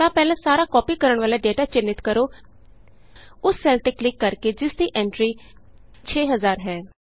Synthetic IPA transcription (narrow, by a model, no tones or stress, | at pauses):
t̪ãːpɛːlãːsaːɾaːkɔːpikəɾəɳ̃ʋaːlaːɖeːʈaːt͡ʃɪnːɪt̪kəɾoː | ʊsːɛːlʈɪklɪkːəɾked͡ʒɪsd̪iːʔɛ̃ːɳʈɾiː | t͡ʃʰeːɦəzaːɾɦɛː